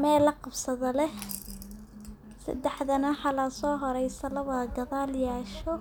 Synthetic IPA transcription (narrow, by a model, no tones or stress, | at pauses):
mɛːlɐqɑbsɐðɐlɛh | sɐ̰d̪ɛħðɐnɐħɑlɐsɔːɦɔɾɛjsɐlɐβɐɡɐðaːljaːʃɔ